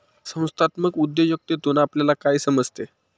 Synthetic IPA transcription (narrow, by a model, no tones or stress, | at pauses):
sə̃w̃st̪ʰat̪məkud̪jojuk̚t̪ed̪onapljalakaisəməd͡zʱt̪e